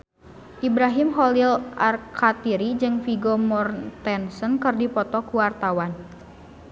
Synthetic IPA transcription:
ʔibɾaɦimɦɔlilʔarkʰat̪iɾid͡ʒɨŋfiɡɔmɔrt̪ɛnsənkɨrdipɔt̪ɔkuwart̪awan

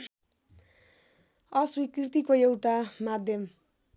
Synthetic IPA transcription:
ʌswikrit̪ikoewʈamad̪ʱjʌm

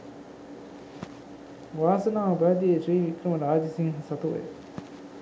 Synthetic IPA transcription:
ʋaːsɐnaːubæːd̪iet̪ɾiːʋikɾɐmɐɾaːd͡ʒisiŋɦɐsɐt̪uʋḛ

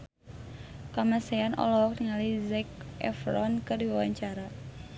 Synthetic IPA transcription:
kamasɛanɔ̰lɔɔk̚təŋalizɛkɛ̰fɾɔnkədiwawaɲt͡ʃaɾa

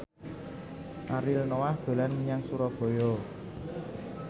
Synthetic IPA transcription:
ʔaɾilnowahd̪̥o̤lanməɲaŋsuɾɔb̥o̤jɔ

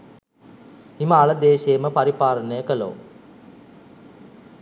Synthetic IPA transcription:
iməaləd̪eːʃejːməpaɾipaːɾənəjəkəlo̰

